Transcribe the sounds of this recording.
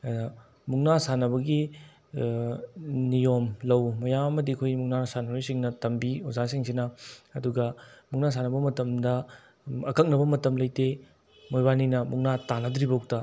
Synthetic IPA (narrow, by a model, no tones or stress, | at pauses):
muŋnasanɐbɐɡi | nijomlɐwmɐjamɐmɐdiɐkʰojmuŋnanɐsanɐɾojsiŋnɐtɐmbiozasiŋsinɐɐduɡɐmuŋnas̬anɐbɐmɐtɐmdɐ | ɐkʰɐk̚nɐbɐmɐtɐmlɐjte | mojbaninɐmuŋnatanɐdɾibɐk̚tɐ